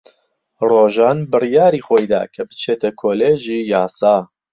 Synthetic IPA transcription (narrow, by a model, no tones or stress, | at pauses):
roːʒaːnbɨrijaːɾiːxoːjd̪a̰ːkʰɐbɨ̥t͡ʃʰeːt̪ʰɐkʰoːleːʒiːjaːsɑː